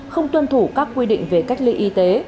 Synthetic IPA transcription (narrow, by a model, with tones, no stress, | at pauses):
xə˧wŋ͡mt̪wə˧nt̪ʰu˧˩kaː˦˥kːwi˧ɗḭ˧˨ŋ̟ve˨˩ka˦˥jk̟̚li˧ʔi˧t̪e˨˦